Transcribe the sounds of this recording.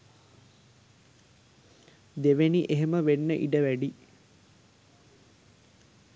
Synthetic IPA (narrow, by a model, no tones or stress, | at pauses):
d̪eʋeniʔeɦeməʋenːəʔiɖəʋæɖi